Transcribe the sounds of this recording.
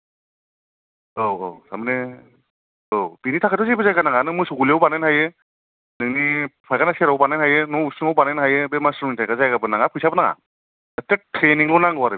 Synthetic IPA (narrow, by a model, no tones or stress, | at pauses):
owo̰samɯne | opinitʰakʰatɔzebɯzajɡanaŋanɯŋmɯsoɡuliawbanɯnɦajɯ | nɯŋnipʰajkanaseɾawbanajnhajɯnɔusɯŋawbanajnɦajɯbemasɾmitʰajɡazajɡabɯnaŋapʰɯjsabɯnaŋa̰ | etetʰɾeniŋlɔnaŋɯwaɾɯ